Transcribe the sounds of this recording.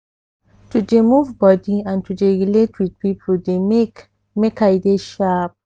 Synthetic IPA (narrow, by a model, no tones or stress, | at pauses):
tudemuvbɔdiãntʰudeɹiletʰwid̥̚pipʰodemek | mekajdeʃap̚